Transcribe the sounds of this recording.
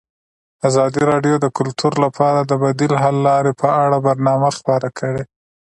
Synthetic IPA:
azɑd̪iɾɑɖjod̪əkʊlt̪ʰuɾlapʰɑɾad̪əbad̪ilɦalːɑɾepʰəaɽabaɾnɑmaxpəɾakʰəɽe

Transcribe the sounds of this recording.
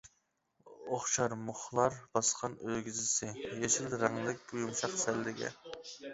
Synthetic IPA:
oχʃɑɾmʊχlˠɑɾbɑsqʰɑnøɡʲizɪsɪjeʃilɾɑŋlˠɨkʲujumʃɑqsɛlːɪɡʲɛ̰

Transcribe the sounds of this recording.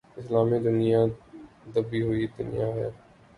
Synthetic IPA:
ɪslaːmid̪ʊnija | d̪ɐbiɦʊid̪ʊnɪjaɦɛ̰ː

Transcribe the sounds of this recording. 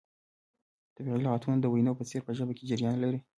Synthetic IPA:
t̪abiɣilʁɑt̪and̪əwajnopət͡seɾpəʒəbaked͡ʒɪɾjɑnlaɾi

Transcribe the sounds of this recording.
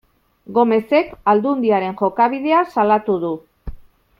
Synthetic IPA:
ɡo̞me̞se̞kald̪und̪iaɾe̞ŋʝo̞kaβið̞e̞asalat̪uð̞u

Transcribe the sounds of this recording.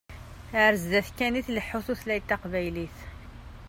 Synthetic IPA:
ʕɾzːæθkæniθləħːuθuθlæjt̪ːɑqvæjliθ

